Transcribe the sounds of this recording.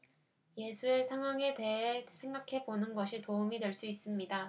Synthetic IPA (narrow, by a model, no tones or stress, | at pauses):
je̞sʰuesʰaŋɦwaŋe̞te̞ɦesʰe̞ŋɡakʰe̞bonɯnɡʌɕʰitoumidwe̞ɭs͈uis͈ɯmɲida